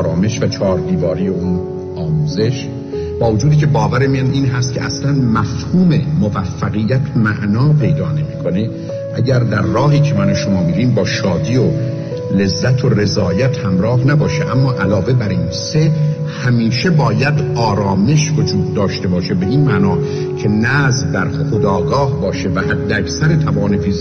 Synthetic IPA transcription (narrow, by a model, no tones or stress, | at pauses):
ɾɒːme̞ʃvæt͡ʃʰɒːɾd̪iːvɒːɾijeun | ɒːmuːze̞ʃ | b̥ɒːvod͡ʒuːd̪iːcʰe̞bɒːvæɾemijæniːnɦæst̪̚cʰeʔæ̰slænmæfhuːme̞movæfːæɣijːæt̪ʰmæʔnɒːpʰe̞jd̪ɒːne̞miːkʰo̞ne̞ | ʔæɟæɾd̪æɾːɒːɦiːcʰe̞mænoʃo̞mɒːmiːɾiːmbɒːʃɒːd̪iːo | le̞zːæt̪ʰore̞zɒːjæt̪hæmɾɒːhnæbɒːʃeʔæmːɒːʔælɒːve̞bæɾiːnse | hæmiːʃe̞bɒːjæd̪ɒːɾɒːme̞ʃvod͡ʒuːd̪̚ːɒːʃt̪e̞bɒːʃe̞be̞ʔiːnmæːnɒː | cʰe̞næːzd̪æɾxod̪ɒːɡɒːhbɒːʃe̞væhæd̪ːeækʰsæɾet̪ʰævɒːnefizi